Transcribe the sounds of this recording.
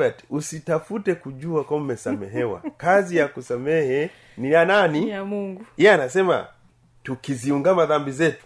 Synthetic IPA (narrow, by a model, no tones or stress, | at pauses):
ati̥usitafutɛkuʄuakwam̩mɛsamɛ̰ɦɛwa̰kazijakusamɛhɛ | niananimuŋɡuiaanasɛma̰ | tukiziuŋɡamaðambizɛtu̥